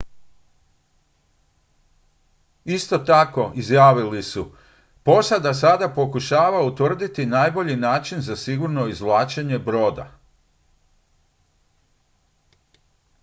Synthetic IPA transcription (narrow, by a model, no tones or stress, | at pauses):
ist̪o̞t̪ako̞ʔizjaːʋilisu | po̞sad̪asad̪apo̞kuʃaːʋaut̪ʋr̩d̪it̪inaːjbo̞ʎinaːt͡ʃinzasiɡuɾno̞izʋlˠaːt͡ʃeɲe̞bɾo̞ːd̪a̰